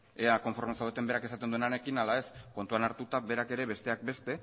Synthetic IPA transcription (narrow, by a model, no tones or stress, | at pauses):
eako̞ɱfo̞ɾmesawet̪e̞mbe̞ɾake̞sat̪end̪ue̞nane̞kinalae̞sko̞nt̪uanaɾt̪ut̪abe̞ɾake̞ɾe̞βe̞st̪e̞ak̚be̞st̪e̞